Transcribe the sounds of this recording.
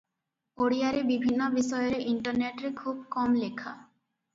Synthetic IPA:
oɽijaɾebibʱinːobiʃɔjoɾeʔiɳʈoɾneʈɾekʰub̚kɔmlekʰa̰

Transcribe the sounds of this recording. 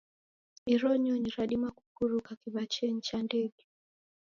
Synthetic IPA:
miɾɔɲɔɲiɾaɗimaku̥kuɾukakiβat͡ʃɛn̩t͡ʃandɛɡɛ

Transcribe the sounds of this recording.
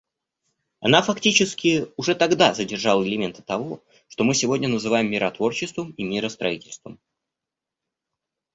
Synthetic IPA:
ɐnafɐktʲit͡ɕɪskʲɪʊʐɛt̪ɐɡd̪azədʲɪrʐɑlˠəɪlʲɪmʲe̞nt̪ɨ̥t̪ɐvo̞ | ʂt̪o̞mɨsʲɪvo̞dʲnʲənəzɨvajɪmːʲɪɾʔɐt̪vo̞rt͡ɕɪst̪vəmimʲɪɾəst̪ɾɐitʲɪlʲst̪və̰m

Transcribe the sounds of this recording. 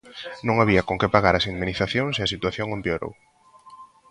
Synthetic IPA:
nõŋaβ̞iɐkoŋkɪpaɣaɾɐsind̪miniθaθjoŋseɐsit̪waθjoŋempeoɾo̰w

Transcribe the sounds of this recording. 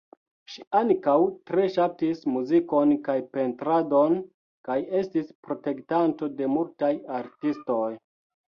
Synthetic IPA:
ʃiaŋkawtɾe̞ʃap̚tismuziko̞nkajpe̞ntɾado̞n | kaje̞stispɾo̞te̞ktanto̞de̞multajaɾtisto̞j

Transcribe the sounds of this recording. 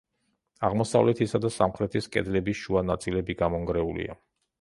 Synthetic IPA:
aʁmɔsa̰vlɛt̪ʰisad̪asamχɾɛt̪ʰiskʼɛ̰d̪lɛbiʃuanat̪sʼilɛbiɡamɔŋɡɾɛulḭa̰

